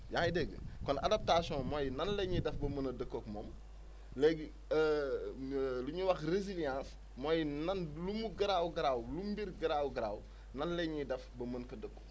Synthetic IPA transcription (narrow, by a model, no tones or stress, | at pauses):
jaːjdɛɡːə̰kɔnɐ̰dɐp̚tasjɔ̃ːmɔjnɐnlɛɲidɛfbɐmɐnɐdəkːɔkmɔːm | lɛɡ | luɲuwɐxrezilijãːs | mɔjnɐnlumuɡɐɾawɡɐɾaːwlumbiɾɡɐɾawɡɐɾaːw | nɐnlɛɲidɛfbɐmɐnkɐdəkːɔ